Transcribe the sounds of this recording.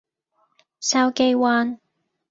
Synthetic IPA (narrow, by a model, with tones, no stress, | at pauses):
sɐ˧wke˧jwaː˧n